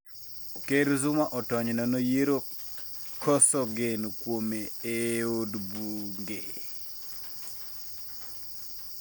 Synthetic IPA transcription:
keɾzumaʔɔtɔɲnɔnojeɾo | kɔsɔɡenokwomeeodbuŋɡe

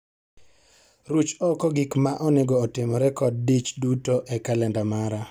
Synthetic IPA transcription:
ɾut͡ʃɔkɔɡikmaʔɔnɪɡɔːtɪmɔɾɛkɔd̚dit͡ʃdutoʔɛkalɛndamaɾa

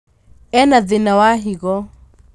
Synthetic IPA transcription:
ɛnaðɪnawaɦiɣɔ

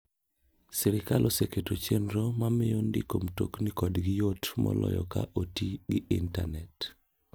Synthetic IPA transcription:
siɾɪkalʔoseketot͡ʃenɾomamɪondḭkomtoknikɔdɡɪjotmɔ̰lɔ̰jɔka̰ʔotiɡɪʔḭnta̰nɛt

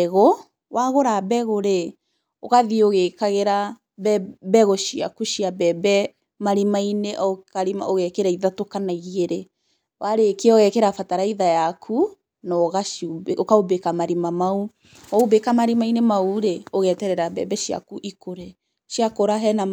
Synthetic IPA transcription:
ɣɔ | wʔaɣoɾabɛɣoɾe | oɣaðioɣeːkaɣeɾa | bbɛɣɔʃia̰kuʃiabɛbɛ | maɾimaineʔɔkaɾima̰ʔoɣɛkeɾaiðatokanaiɣieɾe | wʔaɾekeɔɣɛkɛɾafataɾaiðajakʰu | nɔɣaʃobeokaobekamaɾimamau | ɔobekamaɾimainemauɾeoɣɛtɛɾɛɾabɛ̰bɛʃia̰kuʔikoɾɛ | ʃiakoɾaɦɛna

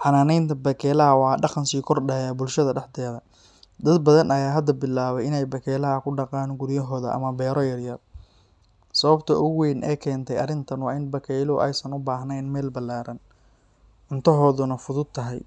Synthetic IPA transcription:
ħɑnaːnɛjnt̪ʰɐbɐkʰɛːlɐɦɐwɑːɖɑqɑnsiːkʰɔrɖɛːjabʊlʃɐðɐɖɑħd̪ɛːðɐ | d̪ɐd̪bɐðɐnɐjaːɦɐd̪ɐbɪlaːβɛɪnɛjbɐkʰɛːlɐɦɐkʰʊɖɑqɑːnɡʊɾjɐɦɔːðɐ̰ʔɐ̰mɐbɛːɾɔjɐrjɐr | sɐβɐbt̪ʰɐʔʊɣwɛːnʔɛ̰ːkʰɛːnt̪ʰɛjɐrɪnt̪ʰɐnwɑːɪnbɐkʰɛjlɔʔɛ̰jsɐnʊbaːɦnɛjnmɛːlbɐlaːɾɐn | ʔʊnt̪ʰɐɦɔːðʊnɐfʊðʊd̪̚t̪ʰːɐɦɛj

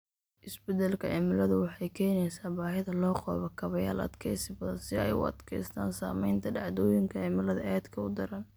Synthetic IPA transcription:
ʔɪsbɛd̪ɛlkʰɐʔɛmɪlɐðʊwɑħɑjkʰɛːnɛjsaːbaːɦɪðɐlɔːqɔ̰ːβɐkʰɐβɐja̰ːlɐ̰d̪kʰɛjsɪbɐðɐnsɪɛ̰jʊ̰ɐ̰d̪̥kʰɛjst̪ʰa̰ːnsa̰ːmɛjnt̪ʰɐɖɑʕd̪ɔːjɪŋkʰɐɛmɪlɐðɐʔɛːd̪kʰɐʊd̪ɐɾɐn

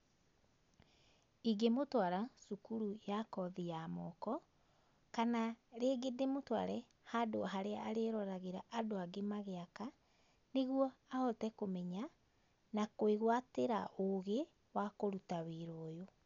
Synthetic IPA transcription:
iɡemotwaɾasukuɾujakɔðijamɔkɔ | kanaɾeːɡedemotwa̰ɾɛ | hadoɦaɾeaːɾeɾɔɾaɣeɾaʔadoaɡemaɣeaka | neɣwɔahɔtɛkomɛɲa | nakoeɣwateɾaoɣe | wakoɾutaweɾoːjo

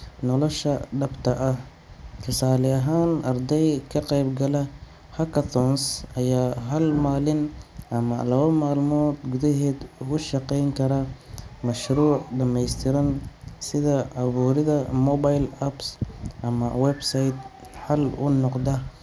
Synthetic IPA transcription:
nɔlɔʃɐɖɐbt̪ʰɐʔɐh | kʰɪsaːlɪɐɦaːnʔɐrd̪ɛjkʰɐqɛjbɡɐlɐ | hɐkʰɐt̪ʰɔnsɐjaːɦɐlmaːlɪnʔɐmɐ̰lɐβɐmaːlmɔːd̪ɡʊðɐɦɛːd̪uɣʊʃɐqɛjŋkʰɐɾɐmɐʃruːʕɖɐmɛjst̪ʰɪɾɐnsɪðɐʕɐβuːɾɪðɐmɔbajlɐbsʔɐmɐ̰wɛbsɐjd̪ | ħɐlʊ̰nɔqd̪ɐ

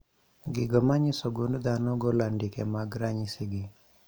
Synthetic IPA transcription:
ɡiɡɔmaɲisɔɡundd̪anɔɡɔlandikɛmaɡɾaɲisiɡi

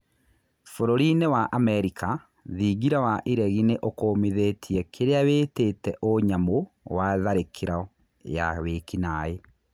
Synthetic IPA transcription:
foɾoɾinewaʔamɛɾikʰa | ðiɡiɾawaʔiɾɛɣineʔokoːmiðetʰiɛkʰeɾeaweːtetɛʔoɲamo | waðaɾekʰeɾa | ja̰wekinae

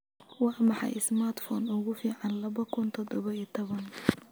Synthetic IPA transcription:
wɑːmɑħɑ̰jɪsmart̪fɔːnʊɣʊfiːʕɑnlɐβɐkʰʊnt̪ʰɔd̪ɔβɐit̪ʰɔβɐn

